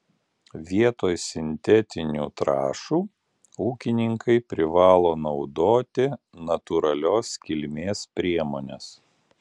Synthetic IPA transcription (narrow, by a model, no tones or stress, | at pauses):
ʋʲiɛt̪oːjsʲɪnʲt̪ʲɛt̪ʲɪnʲṵːt̪ɾɑ̰ːʃuː | uːkʲɪnʲɪŋkɐɪpʲɾʲɪʋɑːlˠoːnɒʊd̪oːt̪ʲɪ | nɐt̪uːɾɐlʲoːskʲɪlʲmʲeːspʲɾʲiɛmoːnʲes